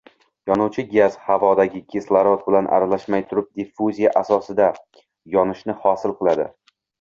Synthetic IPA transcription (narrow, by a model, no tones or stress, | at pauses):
jɒnʊwt͡ʃʰɪɡʲaz̥havɒd̪aɡʲɪkʲʰeslˠaɾot̪̚bɪlanʔa̰ɾalaʃmajt̪ʰʊɾɪp̚d̪ifuzʲijaʔasɒsɪd̪a | jɒnɪʃnɪhɒsɪlˠqɨlˠad̪ɪ̰